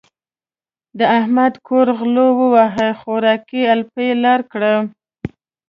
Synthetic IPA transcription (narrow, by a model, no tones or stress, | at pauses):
d̪əahmad̪kʰoɾɣlowəwaɦəxoɾɑkialpelɑɾkɽə